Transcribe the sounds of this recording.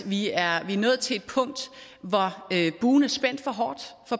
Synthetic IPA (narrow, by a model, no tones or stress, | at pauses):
ʋiæɐʋiæɐnɔ̰ːð̩ˠt͡sʰe̝e̝d̥̚pʰɔ̽ŋ̰d̥ʋɒøb̥uːn̩æɐsb̥en̰d̥fɒ̽ɦɒːd̥fɒ̽